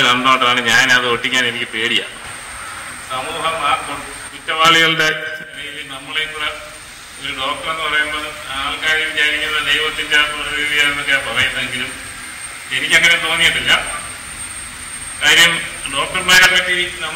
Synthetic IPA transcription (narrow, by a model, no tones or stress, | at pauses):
nɐnd̪ɐmaːʈːraːɳɨɲaːnɐðɨoʈːikʲːaːne̞nikʲːɨpe̞ːɽija̰ | sɐmuːɦɐmːaːrkoɳɖɨ | kitːɐʋaːɭiɣɐɭdeɾejilinɐmːɐɭek̪uːre | oɾuɖo̞ːk̚ʈɐrenːɨpɐrɐjumbɐðɨaːɭkaːjʋit͡ɕaːɾikʲːunːɐd̪ejoʈːindepoːɾɐʋiːðijaːjenːokːejapɐrɐjunːɐðeŋɡilum | e̞nikʲːɐŋːɐnet̪o̞ːnːijiʈːilːɐ | kaːɾɐjɐmɖo̞ːk̚ʈɐrmeːɾamkɐʈːiiɾikːunːɐ